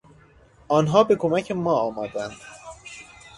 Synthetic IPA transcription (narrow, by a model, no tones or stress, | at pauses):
ɒːnɦɒːbe̞kʰomæcʰemɒːɒːmɒːd̪ænd̪̥